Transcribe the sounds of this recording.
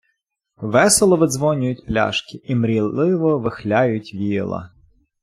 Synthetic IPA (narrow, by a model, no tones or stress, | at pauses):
ʋɛselˠɔʋɪd̪zʋɔnʲʊjʊtʲplʲa̰ʃkɪimɾʲilˠɪʋɔʋɪxlʲajʊtʲʋʲḭlˠɐ̰